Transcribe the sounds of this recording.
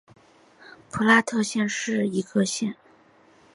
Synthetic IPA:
pʰu˧˥la˥t̪ʰɤ˥˧ɕjɛ˥˧nʂɻ̩˥˩i˧˥kə˥˧ɕjɛ˥˩n

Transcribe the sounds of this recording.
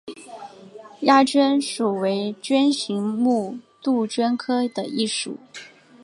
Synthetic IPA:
ja˥˩t͡ɕɥɛ˥nʂu˨˩we˧˥ɪt͡ɕɥɛ˥nɕi˧˥ŋmu˥˧t̪u˥˩t͡ɕɥɛ˥nkʰɤ˥d̪ə˨i˥˩ʂṵ˨˩˦

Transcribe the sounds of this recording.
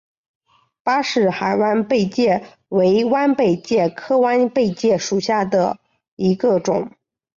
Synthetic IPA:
pa˥ʂɻ̩˥˩xa˨˩ɪwa˥npe˥˧ɪt͡ɕjɛ˥˩ | we˧˥ɪwa˥npe˥˩ɪt͡ɕjɛ˥˩kʰɤ˥wa˥npe˥˧ɪt͡ɕjɛ˥˩ʂu˨˩ɕja˥˩d̪ə˩ | i˧˥ɡə˧ʈ͡ʂʊ̰˨˩˦ŋ

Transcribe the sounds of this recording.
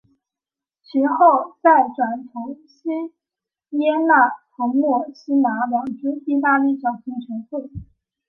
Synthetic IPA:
t͡ɕʰi˧˥xo˥˩˧ʊt͡sa˥˩ɪʈ͡ʂwa˨˩nt͡sʰʊ˧˥ŋ | ɕi˥ | jɛ˥na˥˩tʰʊ˧˥ŋmwɔ˥˩ɕi˥na˧˥wɑ˨˩ŋʈ͡ʂu˥i˥˧t̪a˥˧li˥˩ʈ͡ʂɑ˨˩ʊɕi˧˥ŋt͡ɕʰɛ˧˥nxwe˥˩

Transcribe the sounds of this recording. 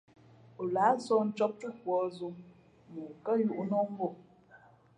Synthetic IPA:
o˨la˨˦sɔ˦n̩˦t͡ʃɔ˦p̚tu˦kwɔ˨˦zu˦ | mu˨kə˦ju˦˨ʔnɔ˦m̩˦bɔ˦˨

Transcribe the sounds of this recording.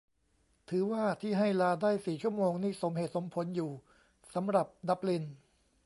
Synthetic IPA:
t̪ʰɯː˩˦waː˥˩t̪ʰiː˥˩ɦa˥˩jlaː˧daː˥˩jsiː˨˩t͡ɕʰu˥˩əmoː˧ŋniː˥˩so˩˦mɦeː˨˩t̪̚so˩˦mpʰo˩˦njuː˨˩ | sa˩˦mɾa˨˩p̚da˦˥p̚li˧n

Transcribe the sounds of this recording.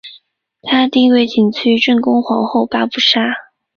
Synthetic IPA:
t̪ʰa˥t̪i˥˧ŋwe˥˩ɪt͡ɕi˨˩ŋt͡ɕʰy˥ʈ͡ʂə˥˩nkʊ˥ŋxwɑ˧˥ŋxo˥˧ʊpa˥pu˥˩ʂa˥

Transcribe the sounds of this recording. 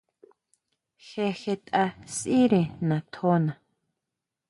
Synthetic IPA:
xe˧xe˧t̪ʼa˧si˦ɾe˨nã˨t̪ʰo˦nã˨

